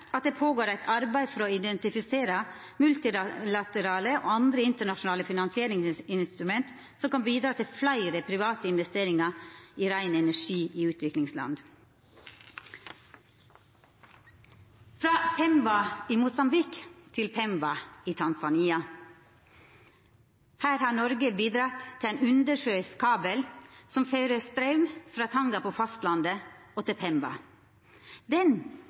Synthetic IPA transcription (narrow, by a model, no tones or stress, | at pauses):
ɑt̪̚d̪eːpʰoːɡoːɾæɪt̪ʰɑɾbæɪfɔɾɔɪd̪ɛnt̪ɪfɪseːɾə | mʉlt̪ɪlɑt̪əɾɑːləʔo̰ːɑnd̪ɾəɪnt̪əɳɑʂʊn̩ɑːləfɪnɑnsɪeːɾɪŋsɪnst̪ɾʉmɛnt̪ | sɔmkɑnbiːd̪ɾɑːt̪ʰɪlflæɪɾəpʰɾɪʋɑːt̪əɪnʋɛst̪eːɾɪŋɑiːɾæɪnəɛnæʂiːʔiːʉːt̪ʰʋɪklɪŋslɑ̰nd̪ | fɾɑːpʰɛmbɑiːmʊsɑmbɪkt̪ʰɪlpʰɛmbɑiːt̪ʰɑnsɑniːɑ | hæːɾhɑːnɔɾɡəbiːd̪ɾɑt̪ʰːɪæɪnʉnd̪əʂøʏskʰɑːbəlsɔmfœɾəst̪ɾɑʉmfɾɑːt̪ʰɑŋɡɑpʰoːfɑst̪lɑnd̪əʔoːt̪ɪpʰɛmbɑ̰ | d̪ɛn